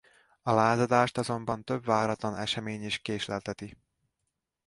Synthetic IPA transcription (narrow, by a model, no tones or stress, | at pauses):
ɒlaːzɒd̪aːʃt̪ɒzo̞mbɒnt̪øbʋaːɾɒt̪lɒnɛ̰ʃɛmeːɲiʃkeːʃlɛlt̪ɛt̪i